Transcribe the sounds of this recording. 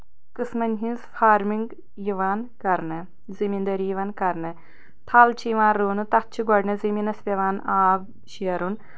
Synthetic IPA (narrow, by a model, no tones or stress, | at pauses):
kɨsmɐnʲɦinzfʰaːɾmiŋɡ | jiʋaːnkɐɾnɨ | zimind̪ɐɾijiʋaːnkɐɾnɨ | t̪ʰaːlt͡ʃʰijʋaːnɾuːnɨt̪ɐt̚t͡ʃʰiɡɔɖnɐziminɐspʲɐʋaːnaːb | ʃiɐɾun